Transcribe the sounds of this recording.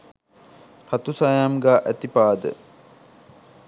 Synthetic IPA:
hat̪usajamɡaːʔæt̪ipaːd̪ə̰

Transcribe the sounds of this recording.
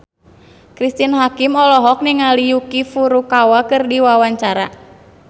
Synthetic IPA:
kɾist̪inɦakimɔlɔɦɔk̚niŋalijukifuɾukawakɨrdiwawaɲt͡ʃaɾa

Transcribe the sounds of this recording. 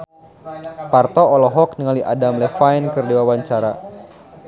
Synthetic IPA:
part̪ɔɔlɔɦɔk̚nəŋaliʔadamlɛfajnkɨrdewawaɲt͡ʃaɾa

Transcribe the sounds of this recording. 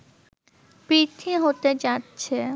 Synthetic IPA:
pɾit̪ʰiɦot̪ed͡ʑatːɕʰe

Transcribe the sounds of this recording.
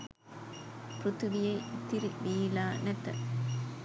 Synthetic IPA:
pɾʊt̪ʊʋɪjɐɪɪt̪ːɪɾiʋiːlaːnɐt̪ːɐ̰

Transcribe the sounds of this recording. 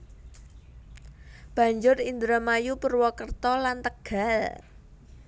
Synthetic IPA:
b̥a̤ɲd͡ʒʊrind̪ɾəmajupərwɔkərt̪ɔlant̪əɡ̥a̤l

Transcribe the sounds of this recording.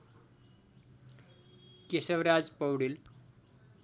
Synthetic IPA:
kesəwɾad͡zpəwɽil

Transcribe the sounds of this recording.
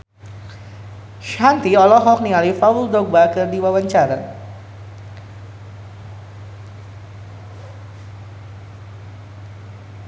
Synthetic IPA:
ʃant̪iɔlɔɦɔk̚nialifauld̪ɔk̚bakərdiwawaɲt͡ʃaɾa̰

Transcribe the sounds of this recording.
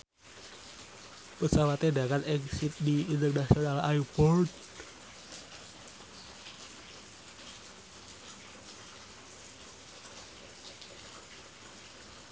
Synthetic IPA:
pəsawat̪edakanɛŋsit̪̚diint̪ərnasionalaipɔrd

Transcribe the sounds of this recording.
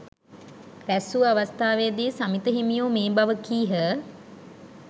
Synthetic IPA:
ɾæsuəaʋast̪aːʋejəd̪iːsamit̪əɦimijoːmeːbaʋəkiːɦə

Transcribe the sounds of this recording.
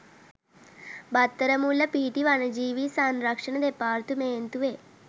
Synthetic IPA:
bat̪ːəɾəmulɐpiʈiʋanɐd͡ʒiːʋisanɾakʂɐɳɐd̪epaːɾt̪umeːnt̪uʋe

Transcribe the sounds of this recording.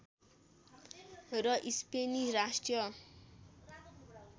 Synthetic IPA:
rʌʔispeniɾasʈjʌ

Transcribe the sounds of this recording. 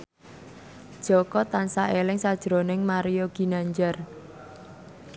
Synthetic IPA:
d̥ʒ̥ɔkɔt̪ansaʔelɪŋsad̥ʒ̥ɾonɪŋmaɾijoɡ̥i̤naɲd͡ʒar

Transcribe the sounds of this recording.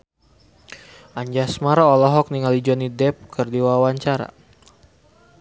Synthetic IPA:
ʔaɲd͡ʒasmaɾaɔlɔɦɔk̚niŋalid͡ʒɔnidɛp̚kʰərdiwawaɲt͡ʃaɾa̰

